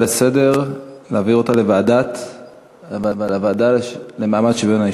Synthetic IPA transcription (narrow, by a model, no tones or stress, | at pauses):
lese̞de̞ʁlaːviʁot̪ale̞vaad̪at | levavalavaːd̪ale̞maːmad̪ʃebenai